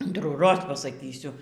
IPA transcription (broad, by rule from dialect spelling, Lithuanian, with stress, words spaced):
ɐntruːˈroːs pɐsɐˈkʲiːsʲʊ